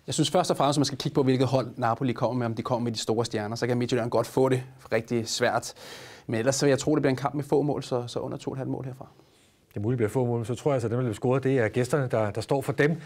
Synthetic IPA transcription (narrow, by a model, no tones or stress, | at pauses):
jɑɪsynsfɶɐsd̥ɒfʁäməsmænsɡ̥ækʰiɡ̥̚pʰɒ̽ʋe̝lɡ̥ð̩ˠɦɒ̽l̰nɑ̈pʰo̝likʰɒ̽m̰ɐmeɒ̽md̥ikʰɒ̽m̰ɐmed̥isd̥o̝ːɐsd̥jæɐnɐsɒ̽kæme̝̥joeɐnɡ̥ɒ̽d̥fɔ̰̽ːɾe̝ʁɛɡ̥̚d̥isʋæɐ̰d̥menelɐsːejɑ̈ɪt͡sʰʁo̰ːde̝bliɐe̝nkʰɑ̈m̰b̥mefɔ̰̽ːmɔ̰̽ːlsɒ̽sɒ̽ʔɔ̽n̰ɐt͡sʰo̰̥ːhælmɔ̰̽ːlhe̝ɐ̰fʁɑ̈ | d̥emuːlidbliɐfɔ̰ːmɔ̰ːlmensɒt͡sʰʁo̰ɐ̰jælsəd̥emd̥blisɡ̥o̝ːɐð̩ˠd̥e̝æɐɡ̥esd̥ɐnəd̥ɑ̈d̥ɑ̈sd̥ɒ̰ːfɒ̽d̥em